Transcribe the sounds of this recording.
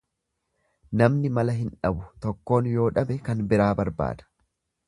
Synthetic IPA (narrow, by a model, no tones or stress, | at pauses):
nɐmnɪmɐlɐɦɪnᶑɐbʊt̪ɔkːo̞ːnjo̞ːᶑɐbɛkɐnbɪɾaːbɐɾba̰ːd̪̥ɐ̥